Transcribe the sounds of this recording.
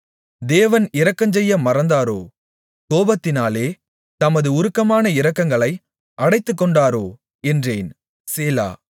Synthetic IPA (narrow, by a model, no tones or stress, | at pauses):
d̪eːʋɐnɪɾɐkːɐɲd͡ʒɛjːɐmɐɾɐnd̪aːɾo̰ː | koːbɐt̪ːɪnaːleː | t̪ɐmɐðɯʊɾɯkːɐmaːnɐɪɾɐkːɐŋɡɐɭɐɪ | ʔɐɽɐɪt̪ːɯkːɔɳɖaːɾoː | ɛndreːn | seːla̰ː